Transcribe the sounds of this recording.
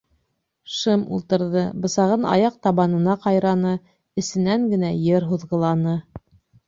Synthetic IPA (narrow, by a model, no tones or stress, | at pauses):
ʃɤmṵlˠt̪ɤ̆ɾðɤbɤ̆sɑʁɤnɑ̰jɑq̚t̪ɑβɑnɤ̆nɑqɑjɾɑnɤ | ɘ̆sɘ̆næŋɡɘ̆næjɘɾɦuðʁɤ̆lˠɑnɤ